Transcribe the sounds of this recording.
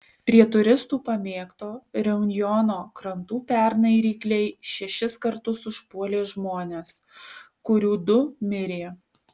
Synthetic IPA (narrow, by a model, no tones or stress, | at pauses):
pʲɾʲiɛt̪ʊɾʲɪst̪uːpɐmʲeːkt̪oːɾʲɛʊnʲjɔnoːkɾɐnt̪uːpʲɛɾnɐɪɾʲiːklʲɛɪʃʲɛʃʲɪskɐɾt̪ʊsʊʃpuɔlʲeːʒmoːnʲeːs | kʊɾʲuːd̪ʊmʲɪɾʲeː